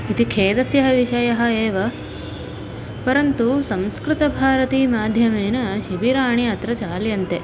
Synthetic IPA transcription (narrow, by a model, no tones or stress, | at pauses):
it̪ikʰeːd̪ɐsjɐɦɐʋiʃɐjɐɦɐ̆eːʋɐ | pɐɾɐnt̪usɐ̃mskɾɪt̪ɐbʱaːɾɐt̪iːmaːd̪ʱjɐmeːnɐʃibiɾaːɳ̃iɐt̪ɾɐt͡ʃaːljɐnt̪e